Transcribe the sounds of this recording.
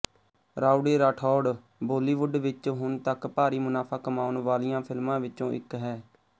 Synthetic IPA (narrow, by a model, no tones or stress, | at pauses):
ɾaːʊɖeːɾaːʈʰɔːɖ | boːliːʋʊɖʋɪt͡ʃɦʊnt̪əkpaːɾiːmʊnaːpʰaːkəmaːʊnʋaːlɪjãːpʰɪlmãːʋɪt͡ʃõːʔɪ̰kɦɛː